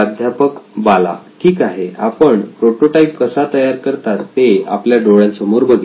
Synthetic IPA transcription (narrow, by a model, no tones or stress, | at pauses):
d̪ʱjapəkbala̰ʈʰiːkaɦea̰pəɳpɾoʈoʈaipkəsat̪əjaɾkəɾt̪at̪ːea̰pljaɖoɭjãnsəmoɾbəɡi